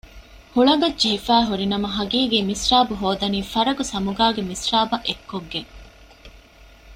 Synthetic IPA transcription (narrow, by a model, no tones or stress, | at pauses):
huɭɐɡɐdd͡ʒeɦifæːɦuɾinɐmɐɦɐɡiːɡiːmisraːbuɦoːd̪ɐniːfɐɾɐɡusɐmuɡaːɡemisɾaːbɐʔekːoɡːe